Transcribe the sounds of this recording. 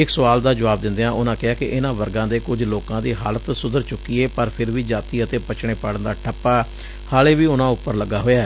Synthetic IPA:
ɪksʊʋaːld̪aːd͡ʒəʋaːb̚d̪ɪ̃nd̪eːãːʔʊnãːkɪɦaːkɪʔɪnãːʋəɾɡãːd̪eːkʊd͡ʒloːkãːd̪iːɦaːlət̪sʊd̪əɾt͡ʃʊkːiːeːpəɾpʰɪɾʋiːd͡ʒaːt̪iːət̪eːpət͡ʃɳ̃eːpaːɽənd̪aːʈʰəpːaː | haːleːʋiːʊnãːʊpːəɾləɡaːɦoːjaːɛ

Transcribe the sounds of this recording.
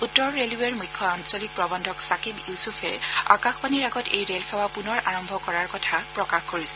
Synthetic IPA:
utːɔɹːeluweɹmujkʰːɔansɔlik̚pɹɔbɔndʱɔksakibjusufʰɛ̰a̰kaxpaniɹaɡɔtḛjɹelkʰɛwapunɔɹʔaɹɔmbʱɔkɔɹaɹkɔtʰapɹɔkaxkoɹisɛ̥

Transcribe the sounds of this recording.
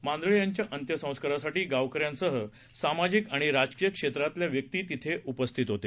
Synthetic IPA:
mãnd̪ɭijaɲt͡ɕjaʔənt̪jəsə̃w̃skəɾasaʈiːɡaʋkəɾjãnsəɦə | samad͡ʑikaɽ̃iɾad͡ʑkijəkʂet̪ɾat̪ljaʋjək̚t̪iːt̪it̪ʰeupəst̪ʰit̪ɦot̪e

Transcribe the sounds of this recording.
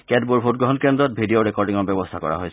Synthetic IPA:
kɛt̚buɹbʱot̚ɡɹɔɦɔnkɛndɹɔt̚bʱidioɹɛkɔɹdiŋɔɹbɛbɔstʰakɔ̰ɹa̰ɦojs

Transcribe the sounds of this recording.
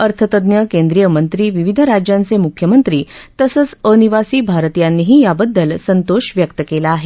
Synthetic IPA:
əɾt̪ʰət̪əd̪njəkend̪ɾijəmənt̪ɾiːʋiʋid̪ʱɾad͡ʑjant͡semukʰːjəmənt̪ɾiːt̪əsət͡səniʋasiːbʱaɾt̪ijanːiːɦiːjabəd̪ʱːəlsənt̪oɕʋjək̚t̪əkelaːɦe

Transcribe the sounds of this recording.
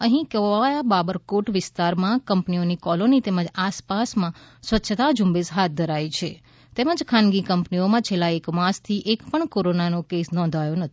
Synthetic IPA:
əɦĩkəʋajababəɾkoʈʋɪst̪aɾmãkəmpnionikɔlonit̪eməd͡ʒaspasmãsʋətːʃʰət̪ad͡ʒumbesɦat̪̚d̪ʱəɾait͡ʃʰe | t̪eməd͡ʒkʰãnɡikəmpniomãt͡ʃʰelːaekmãst̪ʰiʔekpəɳkoɾonanokesnɔ̃nd̪ʱajõnət̪ʰ

